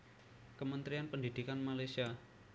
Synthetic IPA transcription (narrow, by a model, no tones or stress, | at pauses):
kəmənt̪ɾianpəndid̥̪ikanmalajsia